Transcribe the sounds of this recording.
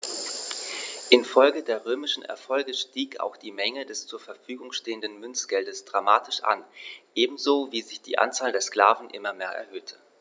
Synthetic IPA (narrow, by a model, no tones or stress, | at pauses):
ʔɪnfɔlɡədeːɐʁøːmɪʃn̩ʔɛ̰ɐfɔlɡəʃtiːka̰ʊxd̥iːmɛŋədɛst͡suːɐfɛɐfyːɡʊŋʃteːəndən̩mʏnt͡sɡ̥ɛldəsd̥ʁamaːtʰɪʃʔa̰nʔeːbm̩zoːviːzɪçd̥ḭːʔa̰nt͡saːldeːɐskl̥aːvn̩ʔɪ̰mɐmeːɐʔɛ̰ɐhøːtʰə̥